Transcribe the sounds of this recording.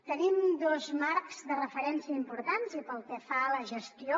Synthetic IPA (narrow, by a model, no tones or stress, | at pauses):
t̪ənimd̪ozmaɾkz̥ðərəfəɾɛnsiəimpuɾt̪anzipəlˠkɛfaləʒəst̪io